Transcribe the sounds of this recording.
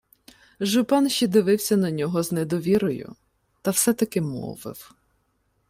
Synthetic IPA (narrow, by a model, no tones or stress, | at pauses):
ʒʊpɑnʃid̪ɪʋɪwsʲɐnɐnʲɔɦɔznɛd̪ɔʋʲiɾɔjʊ̰ | t̪ɐwsɛt̪ɐkɪmɔ̰ʋɪ̰w